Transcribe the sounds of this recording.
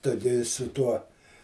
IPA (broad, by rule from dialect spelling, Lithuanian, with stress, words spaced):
ˈtʊ ɡʲɪ sʊ ˈtuɔ